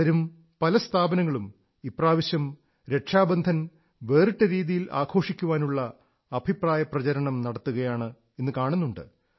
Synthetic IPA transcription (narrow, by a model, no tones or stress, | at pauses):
ɐɾum | pɐlɐst̪ʰaːbɐnɐŋːɐɭum | ipraːʋiɕjɐm | ɾe̞ʈʂaːbɐnd̪ʱɐn | ʋe̞ːrɨʈːeɾiːðijilʔa̰ːɡʰo̞ːʂikʲːuʋaːnuɭːɐ | ɐbʱipraːjɐprɐt͡ɕɐɾɐɳɐmnɐɽɐt̪ːuɣɐjaːɳɨ | e̞nːɨkaːɳunːuɳɖɨ̰